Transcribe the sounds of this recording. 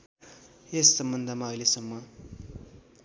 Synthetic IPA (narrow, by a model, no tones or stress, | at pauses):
jesːʌmbʌnd̪ʱʌmaʌjlesʌmːʌ